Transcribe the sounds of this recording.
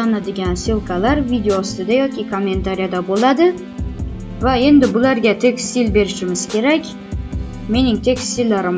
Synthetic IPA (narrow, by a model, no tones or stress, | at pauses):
anad̪ɪɡʲansɪlˠkʰalaɾvid̪eost̪ɪd̪ajɒkʲɪkʰo̞mːe̞nt̪ʰaɾijad̪abolˠad̪ɪ | vae̞nd̪ɪbʊlaɾɡʲat̪ʰe̞kʲst̪ilbe̞ɾɪʃɪmɪz̥kʲʰe̞ɾakʲ | me̞nɪŋt̪ʰe̞kʲst̪ilːaɾɪm